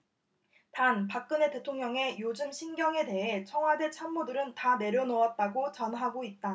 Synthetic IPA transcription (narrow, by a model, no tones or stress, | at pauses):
tanpak̚k͈ɯne̞te̞tʰoŋɲʌŋe̞jod͡ʑɯmɕʰinɡjʌŋe̞de̞ɦe̞t͡ɕʰʌŋwade̞t͡ɕʰamːudɯɾɯntane̞ɾjʌnoʌt̚t͈aɡot͡ɕʌnɦaɡoit̚t͈a